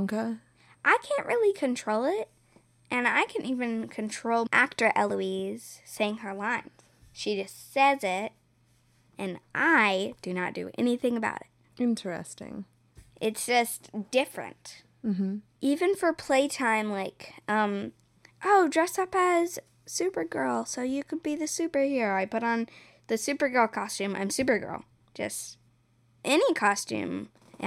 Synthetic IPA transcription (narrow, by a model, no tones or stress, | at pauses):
ŋkə | ʔaɪkʰæ̃nʔɹʔɪlˠikʰɨ̃ntʰɹ̥oʊlˠɪt̚ | ʔɨ̃na̰ɪkʰɨ̃ntivɨ̃nkʰɨ̃n̩tʰɹ̥oʊlˠʔæ̰k̚tə˞ʔɛlˠuiz̥seɪɪ̃ŋə˞lãɪ̃nz̥ | ʃid͡ʒʌstsɛzɪt̚ | ʔɨ̃nʔaɪd̥ɨnɨ̰t̚d̥ɨ̰ʔɛ̰niθɪ̃ŋɨba̰ʊɾɪt̚ | ɪ̃ntɛ̰stɪ̰̃ŋ | ʔɪtsd̥ʒ̥ʌstd̥ɪfɹɨ̰̃nt | m̩m̥m̩ʔivɨ̃nfə˞pʰl̥eɪtʰãɪ̃mlaɪkʔʌ̃m | ʔoʊdɹɛsʌpɨz̥ | sʉpə˞ɡɜ˞lˠsoʊjɨkʰɨd̚biðɨsʉpə˞hiɹaɪpʊɾn̩ | ðɨsʉpə˞ɡɜ˞lˠkʰɑstʉ̃mã̰ɪ̃msʉpə˞ɡɜ̰˞l̥ˠ | ʒ̥ʌ̰st | ʔɛnikʰɑstʉ̰̃m